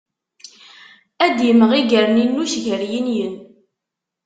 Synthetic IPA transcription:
æd̪jəmːəʁiɡəɾninːuʃʝəɾjinjən

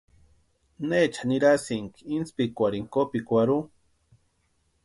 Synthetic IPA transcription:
net͡ʃʰaniɾasiŋkinspikʷaɾiŋkopikʷaɾu

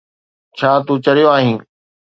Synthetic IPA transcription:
t͡ɕʰaːt̪ũt͡ɕɐɾijoaːɦĩː

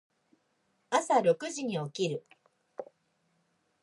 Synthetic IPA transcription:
asaɾo̞kɯ̟ʑiɲ̟io̞kʲiɾɯ̟

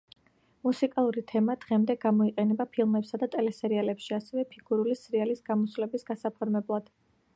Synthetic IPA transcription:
musikʼalˠuɾit̪ʰɛmad̪̥ʁɛmd̪ɛɡamɔiqʼɛnɛbapʰilˠmɛpsad̪at̪ʼɛlɛsɛɾialɛpʃiasɛvɛpʰiɡuɾulisɾialisɡamɔslɛbisɡasapʰɔɾmɛblˠad̪̥

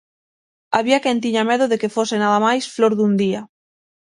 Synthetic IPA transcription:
aβiakɛnt̪iɲameðoðekefosenaðamajsfloɾðund̪ia

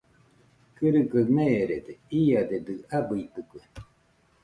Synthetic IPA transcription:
kɨɾɨkemeɾed̪eiad̪ed̪ɨabɯit̪ɯkue

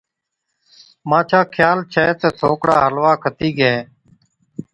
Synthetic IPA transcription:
mãːt͡ʃʰaːkʰjaːlt͡ʃʰɛːt̪eːsʰoːkɽaːɦəlʋaːkʰət̪iːɡeeː

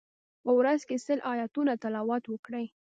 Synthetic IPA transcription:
pəwɾazkesəlʔɑjɑt̪unat̪alɑwɑt̪wəkɽəj

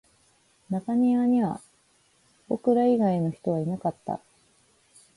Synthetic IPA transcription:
nak̪aɲ̟ʲiaɲ̟iβa̰ | bokɯ̟ɾaiɡaino̞çi̥t̪o̞β̞ainakat̪ːa̰

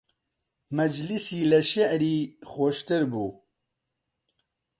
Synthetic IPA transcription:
mɛd͡ʒlisiːlɛʃɪʕɾiːxoʃt̪ɨɾbuː

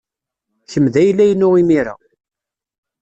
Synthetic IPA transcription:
çəmðæjlːæjnːʊʁimiɾa̰

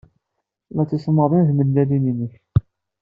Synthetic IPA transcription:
læt͡sːisˤməðˤinðməlːælininəç

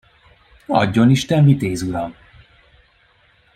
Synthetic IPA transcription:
ɒ̰ɟːo̞niʃt̪ɛmvit̪eːzuɾɒm

